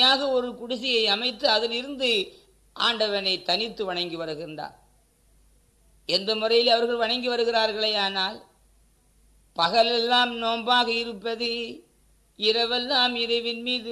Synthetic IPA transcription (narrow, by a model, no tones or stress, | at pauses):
jaːɣɐɔɾɯkʊɽʊsɪjɐɪɐmɐɪt̪ːɯɐðɐlɪɾɯnd̪ɯ | ʔa̰ːɳɖɐʋɐnɐɪt̪ːɐnɪt̪ːɯʋɐɳɐŋɡɯʋɐɾɯɣɪndra̰ːn | ɛnd̪ɐmɯrɐjɪlɐʋɐɾɣɐɭʋɐɳɐŋɡɯʋɐɾɯɣɪɾaːɾɣɐɭɐɪaːnaːl | pɐɣɐlɛlːaːmnoːmbaːɣɐɪɾɯpːɐðɯ | ɪɾɐʋɛlːaːmɪɾɐɪʋɪnmiːðɯ